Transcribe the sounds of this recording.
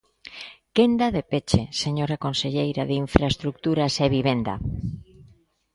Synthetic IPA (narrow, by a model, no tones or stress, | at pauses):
kend̪aðepet͡ʃeseɲoɾakonseʎejɾaðeiɱfɾaest̪ɾuk̚t̪uɾaseβiβ̞end̪a̰